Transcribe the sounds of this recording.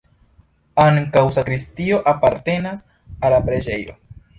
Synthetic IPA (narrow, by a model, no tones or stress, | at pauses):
aŋkawsakɾistio̞ʔapaɾte̞nas | alapɾe̞d͡ʒe̞jo̞̰